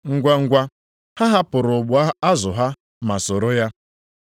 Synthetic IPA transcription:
ŋ̩˦ɡʷa˦ŋ̩˦ɡʷa˦ | ha˦ɦa˦pʊ˨ɾʊ˨ɡ͡bʊ˨˦a˦zʊ˨ɦa˦ | ma˨sʊ˨ɾʊ˦ja˦

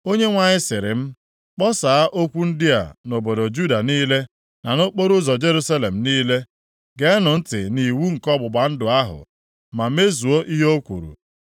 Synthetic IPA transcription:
o˦ɲe˦ŋʷa˨ɲɪ˦sɪ˨ɾɪ˨m̩˦ | k͡pɔ˦saː˨a˦ʔo˦kʷu˦n̩˦dɪ˦a̰˨no˨bo˨dɔ˨d͡ʒu˦da˨niː˦le˦ | na˨no˦k͡po˦ɾʊ˦zɔ˨d͡ʒe˦ɾu˦sa˦le˨m̩˨niː˦le˦ | ɡe˨˦nʊ˨n̩˦tɪ̰˨ni˨wu˦ŋ̩˨kɔ˦bʊ˨ba˨n̩˦dʊ˨a˦ɦʊ̰˨ | ma˨me˦zu˨o˦ʔi˦ɦo˦kʷṵ˨ɾṵ˨

